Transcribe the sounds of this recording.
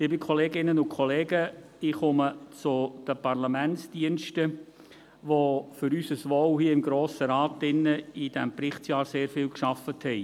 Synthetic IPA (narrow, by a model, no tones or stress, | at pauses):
liːbikʰɔleːɡɪnənʊnkʰχɔleːɡəd̥ɪχʊmət͡sʊd̥əpɑɾlamɛnsd̥iənʃtə | ʋofʏɾysəsʋowhiəɪmɡɾoːsəɾɑːtɪnːəɪd̥ɛmpɾɪχtsjɑːɾseːɾfɪːlkʃɑfəthɛɪ